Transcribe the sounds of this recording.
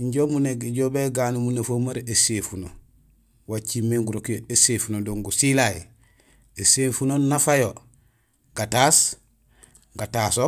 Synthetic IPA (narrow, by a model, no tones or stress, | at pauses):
iɲɟomuneɡiɟobeɡanumunafomaɾesefuno | wat͡ʃimːeŋɡuɾokjoesefunodoŋɡusilaj | esefunonafajo | ɡatas | ɡataso